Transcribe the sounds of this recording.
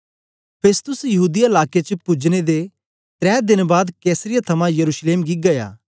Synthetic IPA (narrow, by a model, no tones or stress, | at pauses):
pʰeːst̪ʊsjɐɦuːd̪ijaɪlaːket͡ʃəpʊd͡ʒñed̪e | t̪ɾɛːd̪ɪnbaːd̪kɛːsəɾɪjat̪ʰɐmãjɐɾuːʃleːmɡiɡɐja̰ː